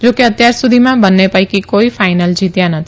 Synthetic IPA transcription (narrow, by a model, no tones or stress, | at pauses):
d͡ʒokeət̪jaɾsud̪ʱimãbənːepəjkikoifainəld͡ʒit̪jãnət̪ʰi̥